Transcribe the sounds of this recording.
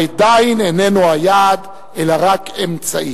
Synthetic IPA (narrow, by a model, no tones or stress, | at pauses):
d̪ainene̞nuajad̪ | elaʁakemt͡saʔi